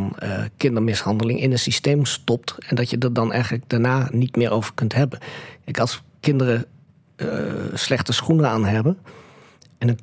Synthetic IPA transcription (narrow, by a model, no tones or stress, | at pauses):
n̰kɪndərmɪshɑndəlɪŋʔɪnənsisteːmstɔp̚tɛndɔtjədɔdɔnɛ̰jɣənlək̚d̥aɹnaːnitmɪːʔoːvəɹkɵntɦɛbənkɛɪkɑlˠskɪndərə | slɛxtəsxunəaːnɦɛbə | ɛndə